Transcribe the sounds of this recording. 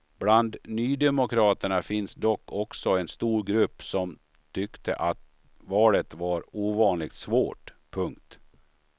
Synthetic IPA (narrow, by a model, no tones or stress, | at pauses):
b̥land̪nyːd̪ɛmʊkʰɾɑːt̪əɳafɪnsd̪ɔkʰːɔksɔɛnst̪uːɾɡɾɵpːsɔm | t̪ʰʏkt̪ʰə̰ʔat̪ | vɑːlət̪vaɾuːvɑːnlɪɡ̚t̪svoːʈpʰɵŋkt̪